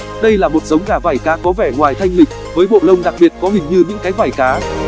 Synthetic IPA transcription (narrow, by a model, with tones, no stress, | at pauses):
ɗə˧jlaː˨˩mo˨˩t̚zə˨˦wŋ͡mɣaː˧˩vaː˨˩jkaː˨˦kɔ˨˦vɛ˧˩ŋwaː˨˩jt̪ʰa˧jŋ̟lï˨˩k̟̚vəː˨˦jɓo̰˧˨lə˧wŋ͡mɗa˨˩k̚ɓi˨˩ət̚kɔ˨˦hï˨˩ŋ̟ɲɨ˧ɲɨ̰˧˥ŋkaː˨˦jvaː˨˩jkaː˨˦